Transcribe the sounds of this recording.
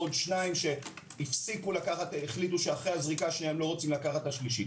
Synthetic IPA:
odʃnaimʃe̞ | ifsikulakaχateχlit̬uʃeaχʁeazʁikaʃneaemlo̞ʁot͡simlakaχathaʃliʃi

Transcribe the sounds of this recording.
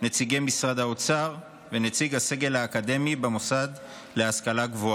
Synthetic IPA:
net͡siɡemisʁad̪haot͡saʁ | venet͡siɡhase̞ɡe̞lhaːkad̪e̞mibemosad̪ | le̞askalaɡvoa

